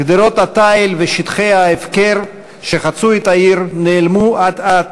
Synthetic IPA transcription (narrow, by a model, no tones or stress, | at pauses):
kd̪eɾo̞t̪hat̪ajlveʃit̪χejhaefkeɾ | ʃeχat͡suet̪aiɾneːlmuad̪at